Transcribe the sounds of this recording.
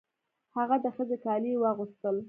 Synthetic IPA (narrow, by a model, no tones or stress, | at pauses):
haɣad̪əxəzekɑliwəɣust̪əl